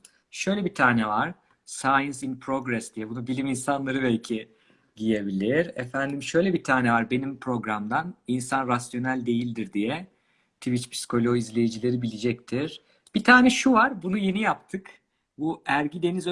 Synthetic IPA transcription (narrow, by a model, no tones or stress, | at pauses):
ʃø̞jlʲɛbit̪ʰaːnɛvaɾ̥ | sajɯnsinpʰɾo̞ɡɾɛsd̪̥ijɛbunubilʲiminsanlˠaɾɯbɛlʲcʰi | ɟije̞bilʲiɾɛfænd̪imʃø̞jlʲɛbit̪ʰaːnɛvaɾbe̞nimpʰɾo̞ɡɾamd̪aninsanɾasjo̞nælʲd̪e̞jilʲd̪iɾd̪ijɛ | t̪ʰivit͡ʃpʰi̥skʰo̞lʲoizlʲe̞jid͡ʒilʲe̞ɾibilʲid͡ʒɛc̚t̪ʰiɾ̥ | b̥it̪ʰaːnɛʃuvaɾbunuje̞nijap̚t̪ʰɯk | buæɾɟid̪e̞niz